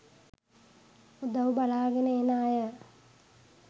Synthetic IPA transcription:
ud̪əʋbalaːɡenəenaːjə

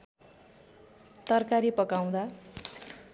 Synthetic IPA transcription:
t̪ʌrkaɾipʌkaw̃d̪a

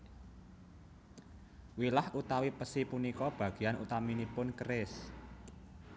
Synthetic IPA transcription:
wilahʔut̪awipəsipunikɔb̥ä̤ɡ̥i̤janṵt̪aminipʊnkəɾɪs

